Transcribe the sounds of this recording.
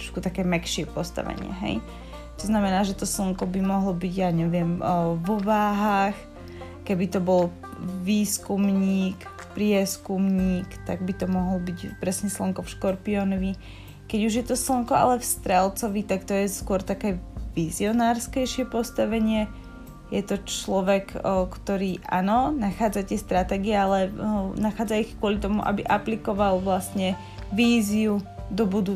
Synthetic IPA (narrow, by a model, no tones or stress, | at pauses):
t̪ɔ̥ʃkut̪akɛːmɛkʃɪɛpɔst̪a̰ʋɛ̰ɲɪɛ̰ɦɛ̰j | t̪ɔznamɛnaːʒɛt̪ɔsl̩ŋkɔbimɔɦlɔbiɟjaɲɛʋɪɛmʋɔʋaːɦaːx | kɛbit̪ɔbɔl | ʋiːskumɲiːk | pɾɪɛskumɲiːkt̪aɡ̚bit̪ɔmɔɦɔl̩biɟpɾɛsɲɛslɔŋkɔfʃkɔɾpiɔnɔʋi | kɛɟuʒjɛt̪ɔslɔŋkɔa̰lɛfst̪ɾɛlt͡sɔʋit̪akt̪ɔjɛskʊɔɾt̪akɛːʋiziɔnaːɾskɛjʃɪɛpɔst̪aʋɛɲɪɛ | jɛt̪ɔt͡ʃlɔʋɛkkt̪ɔɾiːʔa̰ːnɔnaxaːd͡zat̪ɪɛst̪ɾat̪ɛːɡiɛalɛnaxaːd͡zaixkʊɔlit̪ɔmṵʔa̰bḭʔaplikɔʋalʋlast̪ɲɛ | ʋiːziud̪ɔbud̪u